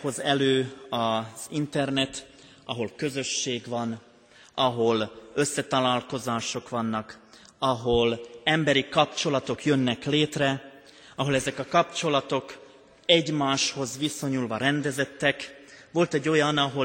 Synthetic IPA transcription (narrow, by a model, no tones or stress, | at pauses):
ho̞zɛløːɒz̥int̪ɛrnɛt̪ | ɒɦo̞lkø̞zø̞ʃːeːɡʋɒn | ɒɦo̞lø̞sːɛt̪ɒlaːlko̞zaːʃo̞kʋɒnːɒk | ɒɦolɛmbɛɾikɒpt͡ʃo̞lɒt̪o̞kjø̞nːɛkleːt̪rɛ | ɒɦo̞lɛzɛkɒkɒpt͡ʃo̞lɒt̪ok | ɛɟmaːʃho̞zʋiso̞ɲulvɒɾɛnd̪ɛzɛt̪ːɛkʋo̞lt̪ɛɟːo̞jɒnɒɦo̞